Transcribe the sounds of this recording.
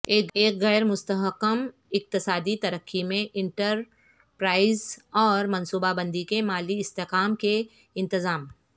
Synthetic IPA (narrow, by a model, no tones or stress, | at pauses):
eːeːkɣɛːɾmʊst̪əɦəqːəm | ɪq̚t̪ɪsaːd̪it̪ɐɾəkʰːimẽʔɪ̃ɳʈəɾ | pɾaːɪzɔːɾmɐ̃nsuːbabə̃nd̪ikemaːliɪst̪eːqaːmke | ɪ̃nt̪ɪzaːm